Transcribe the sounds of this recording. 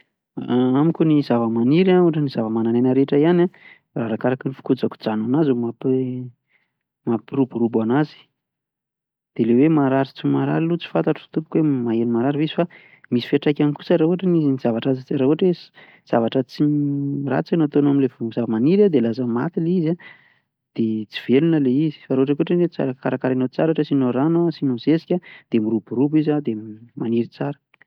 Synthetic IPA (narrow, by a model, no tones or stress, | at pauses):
amikʲunizavəmaniɾauaʈ͡ʂəniz̥avəmananenəɾeʈ͡ʂaiana | raɾakaɾakinifu̥kud͡zaku̥d͡zananazumapi | mapiɾubuɾubanazi̥ | d̪̥elewemaɾaɾit͡simaɾa̰ɾilut͡si̥fant̪aʈ͡ʂə̥t̪upu̥kwemaenimaɾaɾiviz̥i̥fa | misi̥fiaʈ͡ʂajkʲamku̥saɾauaʈ͡ʂəniziniz̥avaʈ͡ʂazat͡siɾauaʈ͡ʂwez | z̥avaʈ͡ʂət͡sira̰t͡senat̪onaminlevuzavamaniɾad̪elazəma̰t̪ileiza | d̪̥et͡si̥v̥elunəleizi̥faɾoaʈ͡ʂakʲuʈ͡ʂenet͡sa̰ɾəkaɾakaɾenot͡saɾoʈ͡ʂəsinoɾanasinoz̥esi̥kʲad̪̥emiɾubuɾubizad̪emaniɾit͡saɾə̥